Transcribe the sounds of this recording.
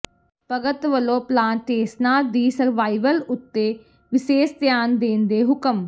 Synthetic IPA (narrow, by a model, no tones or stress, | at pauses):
pəɡət̪ʋəlõːplaːnʈeːsʈnaːd̪iːsəɾʋaːiʋəlʊt̪ːeː | ʋɪʃeːst̪jaːnd̪eːnd̪eːɦʊkəm